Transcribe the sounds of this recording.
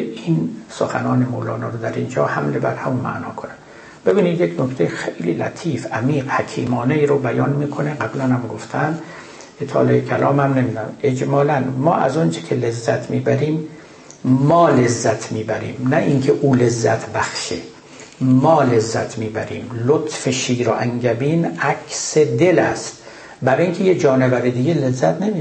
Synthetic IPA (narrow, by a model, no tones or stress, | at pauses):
iːnsoxænɒːnemoːlɒːnɑːɾod̪æɾind͡ʒɒːhæmlebæɾhæmunmæ̰ʔnɒːkʰonæm | be̞biːniːd̪jeknokt̪ʰejexejlḭːlæ̰t̪ʰiːfæmiːɢhækʰḭːmɒːneiːɾobæjɒːnmiːkʰoneɡæblænhæmɡoft̪ʰænd̪ | et̪ʰɒ̰ːleekʰælɒ̰ːmhæmnemiːd̪æe̞d͡ʒmɒːlænmɒ̰ːʔæzont͡ʃʰe̥kʲʰelezːæt̪ʰmiːbæɾiːm | mːɒːlezːæt̪ʰmiːbæɾḭːmnæʔiŋkʰeʔuːlezːæ̰t̪ʰbæxʃḛ | mɒːlezːæt̪ʰmiːbæɾḭːmlot̪ʰfeʃiːɾoʔæŋɟæbiːnækʰʲsed̪elæst̪ | bæɾiŋkʰejed͡ʒɒːnebæɾid̪iːɡelezːæt̪ʰnemiː